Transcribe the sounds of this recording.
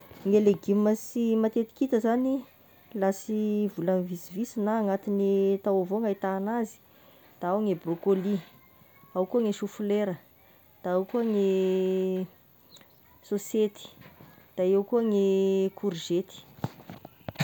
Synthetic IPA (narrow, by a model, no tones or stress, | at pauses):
ŋeleɡiməsimat̪et̪i̥kit̪əzani | lasivulanvisivisinaːŋat̪inet̪awavoŋait̪aːnazi̥ | d̪̥aawŋebrokoli | awkuaŋeʃufuleɾə | d̪̥aawkuaŋe | soset̪i̥ | d̪̥aewkuaŋekʰuɾiʒet̪i̥